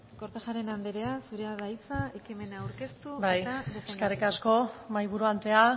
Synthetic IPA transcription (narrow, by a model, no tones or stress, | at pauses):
ko̞ɾt̪eʝaɾe̞nand̪eɾe̞asuɾeaðajt͡saekime̞naːwɾke̞st̪ubajt̪aðefeskarikasko̞majβuɾuant̪e̞a